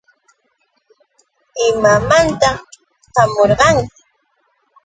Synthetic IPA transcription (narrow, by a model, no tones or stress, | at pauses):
ɪmamant̪a | ɢamoɾɢɑŋkɪ